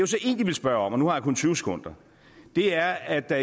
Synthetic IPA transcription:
josɒʔe̝̰ːnd̥iʋe̝lsb̥ɶɐɒ̽mɒnuhɑ̈jakʰɔ̽nt͡sʰyːʊse̥kʰɔ̽n̰d̥ɐ | d̥e̝æɐæd̥

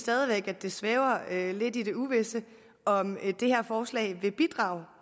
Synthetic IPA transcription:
sd̥ɛð̞ˠiʋeɡ̥æd̥e̝sʋɛːʊɐøle̝d̥ide̝uʋe̝sə | ɒ̽md̥e̝hæɐ̰fɒːslɛ̰ɪʋe̝b̥id̥ʁɑ̈ːʊ

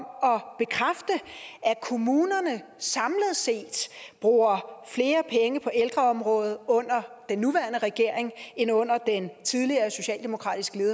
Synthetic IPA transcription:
mɒ̽b̥e̝kʰʁafd̥əækʰo̝muːnɐnəsɑ̈mləð̞̩ˠse̝̰ːd̥b̥ʁuːɐfle̝ːɐpʰeŋəpʰɒ̽ʔeld̥ʁɐɒ̽mʁɔ̽ːð̩ˠɔ̽n̰ɐd̥enːuʋæːɐnəʁɛɡ̥e̝ɐ̰eŋenɔ̽n̰ɐd̥ent͡sʰið̞ˠliɐːso̝ɕɛ̰ːld̥e̝mo̝kʰʁɑ̰̈ːd̥isɡ̥əle̝ːðˠ

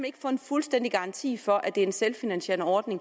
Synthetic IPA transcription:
mæe̝ɡ̥ə̥fɔ̰̽ːe̝nfulsd̥en̰d̥iɡ̥ɑ̈ɑ̈nt͡sʰḭːfɒ̽ʔæd̥e̝ɐe̝nselfinænsɕe̝ɐnəɒːd̥ne̝ŋ

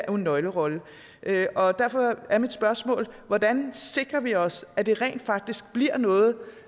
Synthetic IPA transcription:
e̝nːɒ̽ɪləʁɒ̽lə | ʔøʔɒ̽d̥æɐfɒ̽æɐmid̥sb̥ɶɐsmɔ̰̽ːlʋɒd̥ænse̝ɡ̥ʁɐʋiɒ̽sæd̥e̝ʁɛ̰ːnd̥fɑ̈ɡ̥̚d̥isɡ̥̚b̥liɐ̰nɔ̽ːð̞̩ˠ

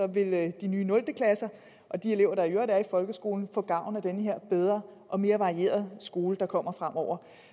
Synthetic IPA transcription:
ɒ̽ʋe̝ld̥inyːnɔ̽ld̥əkʰlæsɐ | ʔɒ̽d̥ie̝le̝ʊ̰ɐɾ̥ɑ̈ɐjøɐd̥æɐifɒ̽lɡ̥əsɡ̥o̝ːln̩fɔ̰̽ːɡ̥ɑ̈ʊ̰n̩æd̥enəɦe̝ɐ̰b̥eð̞ˠʁɐːʔɒ̽me̝ːɐʋɑ̈ʁie̝̰ːɐð̞ˠsɡ̥o̝ːləd̥ɑ̈kʰɒ̽m̰ɐfʁam̰ʔɒʊ̰ɐ

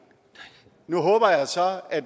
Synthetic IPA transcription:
nuɦɔ̽ːb̥ɐjɑ̈ɪsɒ̽æd̥

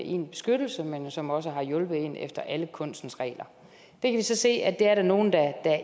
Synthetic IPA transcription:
ʔe̝̰ːnb̥e̝̥sɡ̥ød̥l̩səmenjsɒ̽mɒ̽s̬əɦɑ̈jɔ̽lb̥ð̞̩ˠe̝nḛfd̥ɐʔæləkʰɔ̽n̰sd̥n̩sʁɛ̰ːlɐ | d̥ekʰæʋisɒ̽se̝̰ːæd̥e̝æɐɾæno̝ːn̩d̥æd̥æ

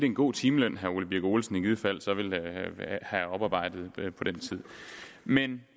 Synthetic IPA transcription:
d̥eenɡ̥o̝̰ːt͡sʰiːməløn̰ɦæolib̥iɐɡ̥o̝ːlsn̩iɡ̥ið̞ˠfæl̰sɒ̽ʋe̝l | hæɒ̽b̥ɑ̈ːb̥ɑ̈ɪ̰d̥ð̞̩ˠpʰɒ̽d̥ent͡sʰið̰ˠmen

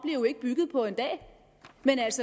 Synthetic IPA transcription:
b̥le̝ʊe̝ɡ̥əb̥yɡ̥ð̞̩ˠpʰɒ̽e̝nd̥ɛ̰ː | menælsə

